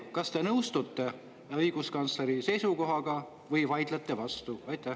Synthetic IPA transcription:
kɑst̪e̞nɤwst̪ut̪ːe̞ | ɤjɡ̥uskɑnt̪sleɾise̞jsuko̞ɦɑɡ̥ɑ | vɤjvɑjd̪̥let̪ˑːe̞vɑst̪uɑjt̪ːˑæ

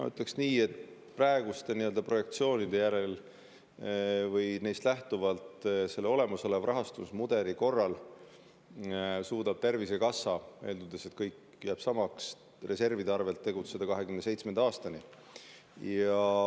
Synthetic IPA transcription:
nɑ̰y̰t̪ːˑleksniːe̞t̪ | præeɡ̥ust̪e̞niøld̪ɑpro̞je̞k̚t̪sio̞ːnid̪̥e̞jæɾe̞l | vɯjne̞jst̪læht̪uvɑlt̪se̞lːeo̞le̞mɑso̞levrɑɦɑst̪usmud̪̥e̞ɾiko̞rːɑl | suːd̪̥ɑb̥t̪e̞rvise̞kɑsːɑe̞ːld̪ud̪e̞set̪kɤjk | jæːb̥sɑmɑks | re̞se̞rvid̪eɑrve̞lt̪ːe̞ɡut̪se̞d̪ɑkɑɦe̞kymnese̞jt̪smend̪eɑːst̪ɑni | jɑ

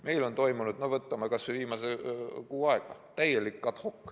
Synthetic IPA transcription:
me̞jlo̞nt̪o̞jmunud̪̥novɤt̪ːɑmɑkɑsːeviːmɑsekuːɑeɡ̥ɑ̰t̪æjelːikːɑt̪hokː

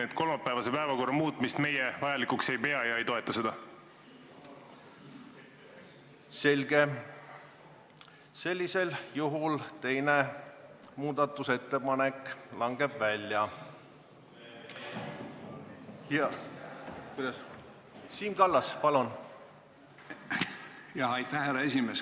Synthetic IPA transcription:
ed̪̥ko̞lmɑpːˑævɑsepæevɑko̞rːɑmuːt̪ːˑmist̪me̞jevɑjɑlikukse̞jpe̞ɑjɑejt̪o̞e̞t̪ˑːɑse̞d̪̥ɑ | se̞lʲɡ̥e̞ | se̞lʲːise̞ljuɦult̪e̞jne | muːd̪̥ɑt̪ːˑuse̞t̪ːe̞pɑne̞kːˑlɑŋɡ̥e̞bvælʲːjɑ | jɑ | kujd̪̥ɑs | siːmkɑlːɑspɑlun | jɑɑjt̪æhæɾɑesʲimeːs

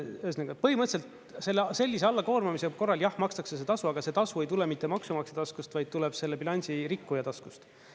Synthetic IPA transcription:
øsneɡupɤɦhimɤt̪se̞lt̪ | se̞lːese̞lʲːis̬eɑlːɑko̞ːrmɑmiseko̞rːɑljɑhmɑkst̪ɑkses̬e̞t̪ɑsuɑɡ̥ɑse̞t̪ɑsue̞jt̪ule̞mit̪ːe̞mɑksumɑkset̪ɑskust̪vɑjd̪̚t̪ulɛb̥se̞lːepilɑnʲsiɾikːujɑt̪ɑskust̪

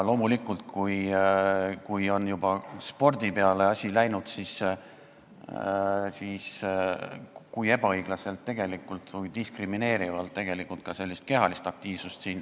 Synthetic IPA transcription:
lo̞ːmulikːˑult̪̚kuj | kujo̞njubɑspo̞rd̪̥ipe̞ɑle̞ɑsʲilæjnud̪̥sis | siːs | kuje̞bɑɤjɡ̥lɑse̞lt̪ːe̞ɡ̥e̞likːˑult̪vujd̪̥iskrimine̞ːɾivɑlt̪ːe̞ɡ̥e̞likult̪̚kɑse̞lʲːist̪̚ke̞ɦɑlist̪ɑk̚t̪iːvsust̪siːn

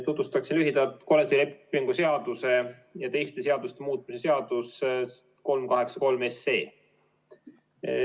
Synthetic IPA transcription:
t̪ut̪ːust̪ɑksilyɦid̪̥ɑlt̪ko̞let̪ːilepːˑiŋɡ̥use̞ɑd̪̥use̞ | jɑt̪e̞jst̪e̞se̞ɑd̪̥ust̪e̞muːt̪̚ːˑmise̞se̞ɑd̪̥us | ko̞lmkɑɦe̞ksɑ̥ko̞lme̞sːe̞ː

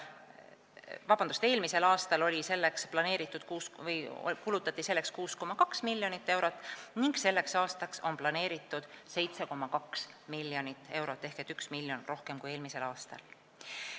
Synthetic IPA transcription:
vɑb̥ɑnd̪ust̪e̞ːlmise̞lɑːst̪ɑlo̞lʲise̞lːeksplɑne̞ːɾit̪ːˑud̪̥kuːsvɤj̰kulut̪ːˑɑt̪ːiselːekskuːsko̞mɑkɑksmilʲːjo̞nit̪ːe̞wɾo̞t̪ːˑniŋɡ̥se̞lːe̞ksɑːst̪ɑkso̞nplɑne̞ːɾit̪ːˑud̪̥se̞jt̪se̞ko̞mːɑkɑksmilːjo̞nit̪ːˑe̞wɾo̞t̪ːˑe̞hket̪yksmilːjo̞nro̞hke̞mkuje̞ːlmise̞lɑːst̪ɑ̰l

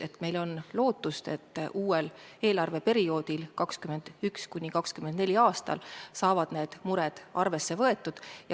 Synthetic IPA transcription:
e̞t̪ːˑme̞jlo̞nlo̞ːt̪ːˑust̪e̞̰t̪ːˑʔuːele̞ːlɑrve̞pe̞ɾio̞ːd̪ilkɑkskyme̞nd̪̥ykskunʲikɑkskymend̪ne̞lʲiɑːst̪ɑ̰lsɑːvɑd̪̥ne̞ːd̪̥muɾɛd̪̥ʔɑrve̞sːe̞vɤ̞e̞t̪ːˑud̪̥jɑ

